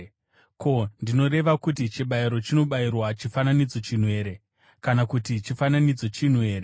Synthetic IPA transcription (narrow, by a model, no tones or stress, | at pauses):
ko̞ndino̞ɾe̞ʋakutit͡ʃiɓaiɾo̞t͡ʃino̞ɓairwat͡ʃifananid͡zo̞t͡ʃin̤we̞ːɾe̞ | kanakutit͡ʃifananid͡zo̞t͡ʃin̤we̞ːɾe